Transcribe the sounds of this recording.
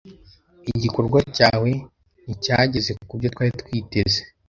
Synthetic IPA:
iɟiko̞ɾɡwacaːwe̞ | nicaːɟe̞ze̞kubɟotwaːɾitwiːte̞ze

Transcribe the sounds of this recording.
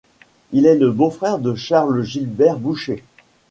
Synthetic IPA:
ilɛləbofχɛʁd̪əʃaʁlʒilbɛʁbuʃe

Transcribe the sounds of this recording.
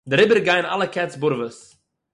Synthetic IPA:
dɪɾɪbəɾɡaɪna̰lˠəkʰɛt͡sbʊɾvəs

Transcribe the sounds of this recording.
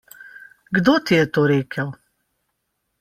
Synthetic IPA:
ɡd̪oːt̪ijɛt̪oːɾeːkʰəw

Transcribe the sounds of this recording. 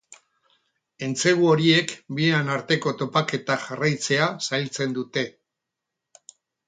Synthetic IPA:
e̞nt͡se̞ɣuo̞ɾie̞kbieanaɾt̪e̞ko̞t̪o̞pake̞t̪aʝarajt͡se̞asajlt͡se̞nd̪ut̪e̞

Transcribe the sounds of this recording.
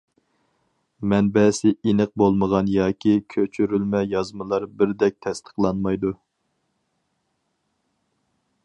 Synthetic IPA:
mɛnbɛsɪinəq̚bolˠməʁɑnjɑːkʲʰikʲʰøt͡ʃʰyɾylmɛjɑzmɨlˠɑɾbɪɾd̪ɛk̚ʲt̪ʰɛst̪ʰə̥qlˠɑnmɑjd̪u

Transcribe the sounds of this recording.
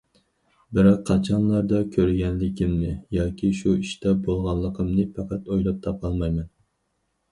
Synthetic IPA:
bɪɾɑqʰːɑt͡ʃʰɑnlˠɑɾd̪ɑkʲʰøɾɡʲɛnlɪkʲimnɪjɑːkʲʰiʃuiʃt̪ɛbolˠʁɑnlˠːəqʰəmnɨpʰɑqæt̪ojlˠɑp̚t̪ʰɑpʰɑlˠmɑjmɛn

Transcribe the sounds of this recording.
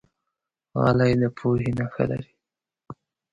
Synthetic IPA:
ɣɑ̰lajləpʰoɦinaxə̰la̰ɾi

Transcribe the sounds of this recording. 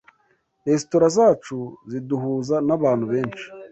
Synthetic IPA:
esitoɾazaːt͡ʃuziduɦuːzanaβaːnhuβe̞ːnt͡ʃi̥

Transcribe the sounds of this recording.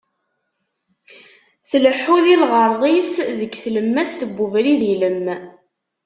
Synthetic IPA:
θləħːuðilʁəɾˤðˤisðəɡθləmːæst̪əbːuvɾiðiləmː

